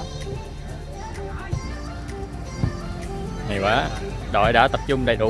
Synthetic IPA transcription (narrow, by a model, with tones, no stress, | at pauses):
ŋa˨˩jkʷwaː˨˦ | ɗɔ̰˧˨jɗa̰ː˧˥t̪ə˨˩p̚t͡ɕʊ˧ŋ͡mɗə˨˩jɗʊ̰˧˨